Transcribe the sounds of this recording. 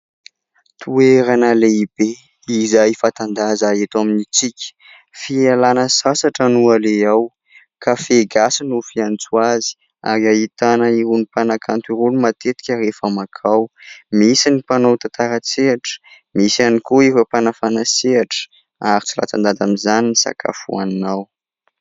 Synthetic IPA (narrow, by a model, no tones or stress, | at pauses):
t̪ʰueɾanəleib̥e | izajifat̪and̪azaet̪waminit͡sikʲə̥ | fialanəsasaʈ͡ʂənualeaw | kʰafeɡasinufiant͡suazi̥ | a̰ɾiait̪anəiɾunipanakʰant̪iɾulumat̪et̪i̥kʲərefamakʰawmisinipanowt̪at̪aɾət͡seaʈ͡ʂə̥ | misianikuifəpanafanaseaʈ͡ʂə̥ | aɾit͡sila̰t͡sa̰nd̪ad̪amizaninisa̰kʰa̰fṵa̰ninaw